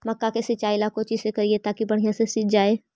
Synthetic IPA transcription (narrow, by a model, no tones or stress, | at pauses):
mɐkːakesɪt͡ʃaːilakot͡ʃisekɐɾiet̪aːkibɐɽ̤ijãsesid͡ʒaːeː